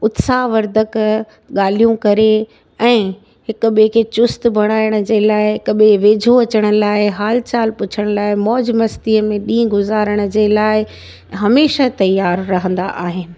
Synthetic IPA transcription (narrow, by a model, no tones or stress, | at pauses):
ʊt̪saːʋɐɾd̪ʱək | ɠaːl̤ijũkɐɾe | ɛ̃ː | ɦɪkʊ̆ɓekʰet͡ɕʊst̪bʱɐɽ̃aːɪəɽ̃ə̆d͡ʑeːlaːɪɦɪkɓeʋeːd͡ʑʱoɐt͡ɕəɽ̃ə̆laːɪɦaːlt͡ɕaːlpʊt͡ɕʰəɽ̃laːɪmɔːd͡ʑmɐst̪iəmẽɗĩːɡʊzaːɾəɽ̃ə̆d͡ʑeːlaːɪ | ɦɐmeːʃat̪ɐjːaːɾːɐɦə̃nd̪aʔaːɦɪnɪ̆